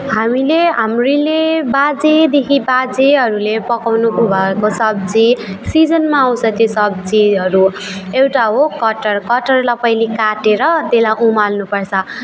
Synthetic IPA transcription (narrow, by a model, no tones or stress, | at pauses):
ɦamileɦamrilebad͡zed̪ekʰibad͡zeɦʌɾulepʌkawnukobʱʌekosʌb̚d͡zisid͡zʌnmaaw̃t͡sʰʌ̃t̪josʌbd͡ziʌɾu | ewʈaɦokʌʈʌrkʌʈʌrlʌpʌjlikaʈeɾʌt̪elaʔumalnupʌrt͡sʰʌ